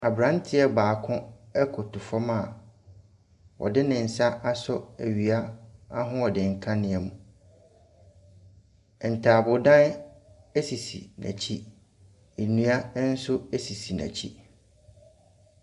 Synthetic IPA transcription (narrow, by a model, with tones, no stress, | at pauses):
a˨bɾã˨˦n˦tʰɪ˦ɛ˦baː˨kʰʊ̃˦ɛ˦kʰʊ˨tʰʊ˨fɔ˦ma˨ | ɔ̰˨dɪ˦nɪ̃˨n̩˨sa˦ʔa˦sɔ˦æ˨ɥi˨a˦a˦ɦʊ̃˦ɔ˨dɪ̃˨ŋ̩˨kʰã˦nɪ̃˨ɛ˨mũ˨ | n̩˨tʰaː˨bʊ˨dã˦n˦ | e˦si˨sḭ˨næ̰˨t͡ɕʰi˦ | e˨nũ˦a˦n̩˦sʊ˦e˦si˨si˨næ̰̃˨t͡ɕʰḭ˦